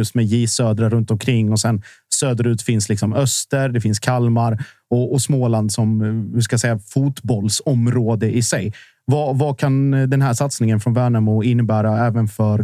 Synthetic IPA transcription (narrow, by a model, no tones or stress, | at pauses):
ɵst̪mɛjiːsøːd̪ɾaɾɵnt̪ɔmkʰɾɪŋːɔsɛnsøːd̪əɾʉ̟ːt̪fɪnslɪksɔmœst̪əɾd̪ɛfɪnskʰalmaɾ | ɔʔɔsmoːland̪sɔmhɵʂkasɛjːafut̪bɔlsɔmɾoːd̪əʔɪsɛj | vavakʰand̪ɛnɦæːʂat̪snɪŋənfɾɔnvæːɳamuːɪnːəbæːɾaɛːvənfœɾ